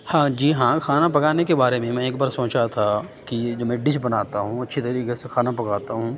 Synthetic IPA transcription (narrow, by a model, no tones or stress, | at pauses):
hãːd͡ʒiːɦãːxaːnapɐkaːnekebaːɾemẽmɛ̃eːk̚baːɾsoːt͡ʃat̪ʰakid͡ʒoːmɛ̃ɖɪʃbɐnaːt̪aɦũɐtːʃʰit̪ɐɾiːkesexaːnapɐkaːt̪aɦũː